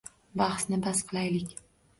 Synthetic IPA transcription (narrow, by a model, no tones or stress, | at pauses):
bɑχsnɪbasqʰlˠajlɪkʲ